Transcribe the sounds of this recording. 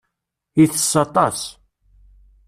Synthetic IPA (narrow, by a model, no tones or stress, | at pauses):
iθəsːɑt̪ˤɑs